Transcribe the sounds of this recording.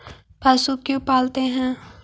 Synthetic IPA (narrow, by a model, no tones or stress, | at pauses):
pasukjõpaːlt̪eɦɛ̃ː